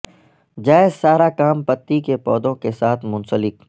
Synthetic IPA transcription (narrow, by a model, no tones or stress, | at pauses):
d͡ʒaːɪzsaːɾakaːmpɐt̪ːikepɔːd̪õkesaːt̪ʰmʊ̃nsəlɪk